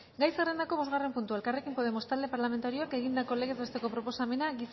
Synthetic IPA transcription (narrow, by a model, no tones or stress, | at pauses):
ɡajsere̞nd̪ako̞βo̞zɣare̞mpunt̪ue̞lkare̞kimpo̞ðe̞mo̞st̪ald̪e̞paɾlame̞nt̪aɾioake̞ɣ̞ind̪ako̞le̞ɣe̞zβe̞st̪e̞ko̞pɾo̞po̞same̞naɣis